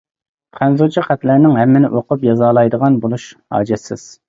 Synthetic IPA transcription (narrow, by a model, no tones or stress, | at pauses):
qʰænzut͡ʃʰiχæt̪lænɪŋɦɛmːɪnɪ̰ʔoqʊpjɑzɑːlˠɑjd̪əʁɑnbolˠuʃhɑ̰ːd͡ʒɛsɪ̰z̥